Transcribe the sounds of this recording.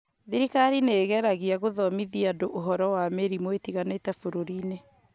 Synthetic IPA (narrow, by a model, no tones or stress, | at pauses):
ðiɾikaɾineːɣɛɾaɣiaɣoðɔmiðiadoʔoɦɔɾɔwameɾimoetiɣanetɛfoɾoɾiːne